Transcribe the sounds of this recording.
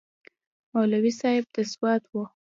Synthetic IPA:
malawisɑɪb̚d̪̥əswɑt̪wu

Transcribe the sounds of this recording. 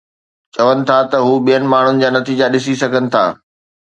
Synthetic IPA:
t͡ɕɐʋənɪ̆t̪ʰat̪ɐɦuːɓijənɪ̆maːɳ̤ʊnɪ̆d͡ʑaːnɐt̪iːd͡ʑaɗɪsisɐɡʱənɪ̆t̪ʰa̰ː

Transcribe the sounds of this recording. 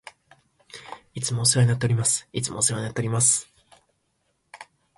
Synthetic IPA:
it͡sɨmoːsɨɾoɲinat̪eɾʲimasɨ̥it͡sɨmʔo̰sɨɾoɲinat̪ːeoɾʲimasɨ̥

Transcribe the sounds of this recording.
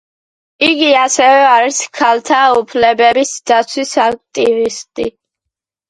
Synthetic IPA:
iɡiasɛvɛaɾiskʰalt̪ʰaupʰlɛbɛbisd̪̥at̪sʰwisak̚t̪ʼivist̪ʼḭ

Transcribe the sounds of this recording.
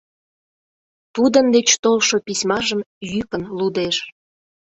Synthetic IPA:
t̪ud̪ə̆nd̪et͡ɕt̪olʃopisʲmɑʒəmjykə̆nlud̪eʃ

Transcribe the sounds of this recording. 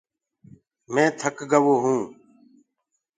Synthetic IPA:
mẽːt̪ʰəkɡəʋoːɦũː

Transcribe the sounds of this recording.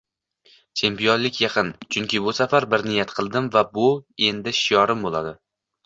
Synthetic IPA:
t͡ʃʰe̞mpijonlɪkʲʰjɑqʰɨnt͡ʃʰʊŋkʲɪbʊsafaɾbɪɾnɪjat̪qʰɨlˠd̪ɪmvabʊe̞nd̪ɪʃɪjɒɾɪmbolˠad̪ɪ

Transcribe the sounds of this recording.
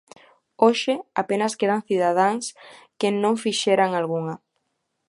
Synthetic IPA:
oʃɪapenaskeðaŋθiðaðaŋskenõŋfiʃeɾaŋalɣuŋɐ

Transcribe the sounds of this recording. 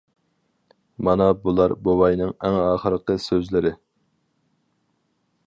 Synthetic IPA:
mɑnɑbulˠɑɾbowɑjnɨŋæŋɑːχəɾəqəsøzlɪɾɪ

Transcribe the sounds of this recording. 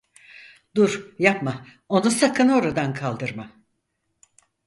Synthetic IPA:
d̪uɾjapma | o̞nusakʰɯno̞ɾad̪ankʰalˠd̪ɯɾma

